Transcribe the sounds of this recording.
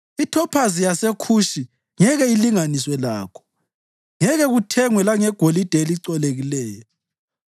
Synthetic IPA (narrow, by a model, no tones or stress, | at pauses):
itʰɔpʰazijasekʰuʃi | ŋɛɣɛiliŋaniswɛla̰ːkʰɔ̥ | ŋɛɣɛɣutʰɛŋwɛlaŋɛɡ̥ʱolid̥ʱeliǀɔleɣilɛːjɔ